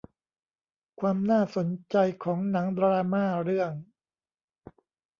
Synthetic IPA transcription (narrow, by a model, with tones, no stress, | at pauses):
kʰwaː˧mnaː˥˩so˩˦nt͡ɕa˧jkʰɔː˩˦ŋna˩˦ŋd̪ɾaː˧maː˥˩ɾɯ˥˩əŋ